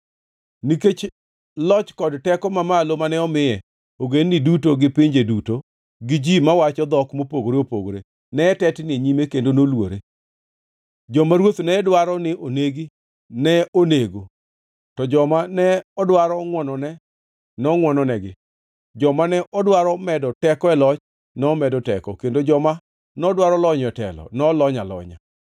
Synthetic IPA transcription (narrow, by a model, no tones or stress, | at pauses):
niket͡ʃ | lɔt͡ʃkɔdtɛkɔmamalomanɛɔmɪjɛ | oɡenːɪdutoɡɪpɪɲd͡ʒeduto | ɡɪd͡ʒimawat͡ʃɔd̪ɔkmopoɡoɾeopo̰ɡoɾe | nɛːtɛtneɲimekendonolwo̰ɾe | d͡ʒɔmaɾwot̪nɛdwaɾɔnɪʔoneɡi | nɛoneɡo | tɔd͡ʒɔmanɛɔdwaɾɔŋwɔnɔnɛ | nɛɔŋwɔnɔnɛɡɪ̰ | d͡ʒɔmanɛʔɔdwaɾɔmɛdɔtɛkɔɛlɔt͡ʃ | nɛɔmɛdɔtɛ̰kɔkendod͡ʒɔma | nɛɔdwaɾɔlɔɲɔɛtɛ̰lɔ̰nɛlɔɲalɔ̰ɲa̰